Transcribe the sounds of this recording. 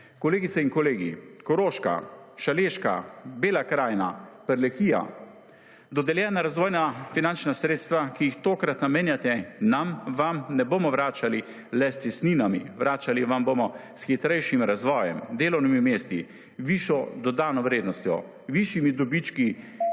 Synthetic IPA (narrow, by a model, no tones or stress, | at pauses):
kɔleːɡit̪saiŋkɔleːɡḭkɔɾoːʃka̰ʃaleːʃka̰beːlakɾaːjna̰pɛɾlɛkiːja̰ | d̪ɔd̪ɛljɛːnaɾazʋɔːjnafinant͡ʃnasɾeːt̪st̪ʋakijixt̪oːkɾat̪nameːnjat̪ɛnamʋamnɛboːmɔʋɾaːt͡ʃali | lɛst̪sɛst̪niːnamḭʋɾaːt͡ʃaliʋamboːmɔsxit̪ɾɛjʃimɾazʋɔːjɛ̰md̪eːlɔwnimimeːst̪i | ʋiːʃɔd̪ɔd̪aːnɔʋɾeːd̪nɔst̪jɔ̰ | ʋiːʃimid̪ɔbit͡ʃki